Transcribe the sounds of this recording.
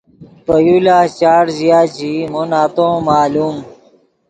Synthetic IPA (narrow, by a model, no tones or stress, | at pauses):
pəjulaːt͡ɕaːɾzijaːd͡ʑimonaːt̪õːmaːluːm